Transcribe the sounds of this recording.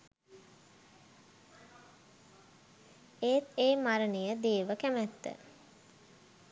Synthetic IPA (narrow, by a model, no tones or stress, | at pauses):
eːt̪eːmaɾənijəd̪eːʋəkæmæt̪ːə̰